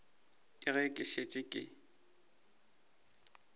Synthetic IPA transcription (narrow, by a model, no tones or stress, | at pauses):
kʼɪɣɛkʼɪʃet͡ʃʼɪkʼɪ̰